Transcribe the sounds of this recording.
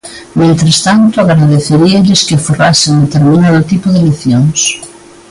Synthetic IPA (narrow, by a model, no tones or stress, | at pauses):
mẽnt̪ɾest̪ant̪ʊaɣɾaðeθeɾiɐʎɪskɪforasɪŋd̪et̪eɾmĩnaðʊt̪ipʊðeleθjoŋs